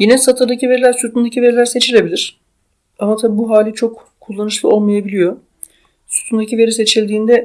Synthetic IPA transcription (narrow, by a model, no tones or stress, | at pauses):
jinɛsat̪ʰaɾd̪acive̞ɾilʲæɾsut̪ʰund̪acʰive̞ɾilʲæɾse̞t͡ʃʰilʲe̞bilʲiɾ̥ | amat̪ʰabibuɦaːlʲit͡ʃʰo̞k | kʰːulˠːanɯʃlˠɯo̞lˠmajabilʲijo̞ | su̥t̪ʰund̪acive̞ɾise̞t͡ʃʰilʲd̪iːnd̪ɛ